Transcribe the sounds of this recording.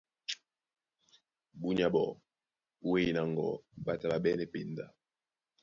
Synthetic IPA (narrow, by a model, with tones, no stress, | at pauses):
bu˦ɲa˨bɔ˨ | we˦i˨na˨ŋɡɔ̰˨ɓa˨ta˨ɓa˨ɓɛ˦nɛ˦˨pi˨nda˨